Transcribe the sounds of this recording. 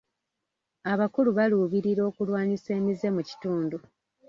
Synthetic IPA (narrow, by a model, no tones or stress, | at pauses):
aβakuluβaluːβiɾiɾo̞ːkulwaːɲise̞ːmize̞muci̥tuːndu